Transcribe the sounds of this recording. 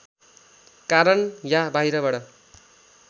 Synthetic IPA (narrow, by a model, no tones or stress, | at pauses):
kaɾʌnjabaiɾʌbaɽʌ